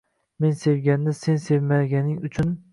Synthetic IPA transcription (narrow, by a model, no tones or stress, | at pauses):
me̞nse̞vɡʲanːɪsensevmaɡʲanɪŋʊt͡ʃʰʊn